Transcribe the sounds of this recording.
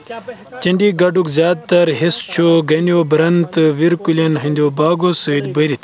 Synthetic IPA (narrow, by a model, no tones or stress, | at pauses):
t͡ɕɐɳɖiɡɐɖukzʲjaːd̪̚t̪ɐɾɦest͡ʃʰoɡɐnijobɾɐnt̪ɨʋiɾkulʲɐnɦind̪oːbaːɡosɨːd̪bəɾit̪